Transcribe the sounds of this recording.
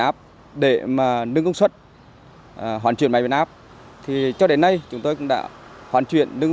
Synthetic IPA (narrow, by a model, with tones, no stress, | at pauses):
ʔaː˦˥p̚ | ɗe˧˩maː˨˩nɨ˧ŋə˧ŋ͡mswə˦˥t̚ː | ɦwaː˧˩t͡ɕḭ˧˨ənma˨˦v̰nʔaː˦˥p̚ | t̪ʰi˨˩t͡ɕɔ˧ɗe˨˦nːa˧jt͡ɕʊ˨˦ŋ͡mt̪o˧jkʊ̰˧˥ŋ͡mɗa̰ː˧˥hwaː˧˩nt͡ɕwḭ˧˨ənːɨ˧ŋ